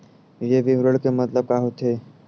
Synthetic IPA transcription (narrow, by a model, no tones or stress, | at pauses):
jeʋiʋɾəɽkemət̪ləb̚kaɦot̪ʰe